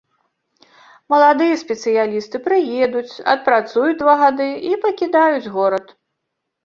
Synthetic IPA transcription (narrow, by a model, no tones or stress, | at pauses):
mɐlˠad̪ɨjɛsʲpʲɛt̪sɨjalʲist̪ɨpɾɨjɛd̪ut͡sʲɐ̰t̪̚pɾat̪sujud͡zʲd̪vaɣad̪ɨipɐkʲid̪ajud͡zʲɣɔɾɐt̪